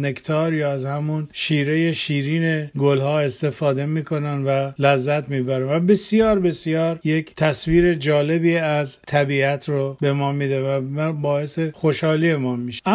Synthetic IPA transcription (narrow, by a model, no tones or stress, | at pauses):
ne̞kt̪ʰɒːɾjɒæzhæmunʃiːɾe̞jeʃiːɾiːne̞ɡolhɒːe̞st̪e̞fɒːd̪e̞miːkʰo̞nænvælæzːæt̪ʰmiːbæɾænvæbe̞sjɒːɾbe̞sjɒːɾje̞kʰt̪ʰæsviːɾe̞d͡ʒɒːle̞biːæzt̪ʰæbiːæt̪ʰɾobe̞mɒːmiːd̪evæmæbɒːesexoʃhɒːliːemɒnmiʃeæ